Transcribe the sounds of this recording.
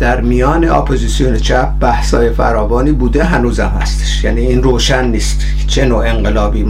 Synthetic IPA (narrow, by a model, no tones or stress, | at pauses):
d̪̥æɾmijɒːneɒ̰pʰozisijonet͡ʃʰæp̚bæhsɒ̰ːjefæ̰ɾɒːvɒːniːbuːd̪eɦænuːzæmhæ̰st̪ʰe̥ʃjæːniːiːnroːʃænːiːst̪ | t͡ʃʰenoːe̞ŋɢelɒːbiː